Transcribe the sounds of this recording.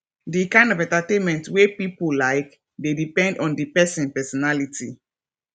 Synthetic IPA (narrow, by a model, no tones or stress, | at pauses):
dikãɪ̃ndɔvɛ̃ntatẽnmɛ̃ntwepipolaɪk | dedipɛ̃ndɔ̃ndipɛsĩnpɛsɔnalitʰi